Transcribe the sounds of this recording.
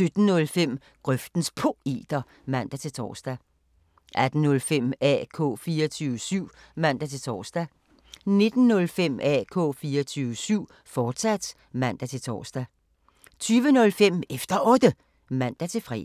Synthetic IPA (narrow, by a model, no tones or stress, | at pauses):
sød̥n̩nɔ̽lfem̰ | ɡ̥ʁœfd̥n̩spʰo̝e̝̰ːd̥ɐ | mæn̰d̥æt͡sʰe̝lt͡sʰɒ̰ːsd̥æ | ʔæd̥n̩nɔ̽lfem̰ɛ̰ːkʰɔ̰̽ːfiːɐt͡sʰyːʊəsyʊ̰ | mæn̰d̥æt͡sʰe̝lt͡sʰɒ̰ːsd̥æ | ne̝d̥n̩ːɔ̽lfem̰ɛ̰ːkʰɔ̰̽ːfiːɐɒt͡sʰyːʊəsyʊ̰ | fɒːd̥sæd̥ | mæn̰d̥æt͡sʰe̝lt͡sʰɒ̰ːsd̥æ | t͡sʰyːʋənɔ̽lfem̰efd̥ɐʔɒ̽d̥ə | mæn̰d̥æt͡sʰe̝lfʁɛ̰